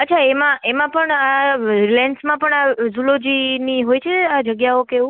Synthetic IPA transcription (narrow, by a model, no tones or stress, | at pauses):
ətːʃʰaemãemãpəɳaɾilensmãpəɳazulod͡ʒiniɦojt͡ʃʰead͡ʒəɡjaokeʋũ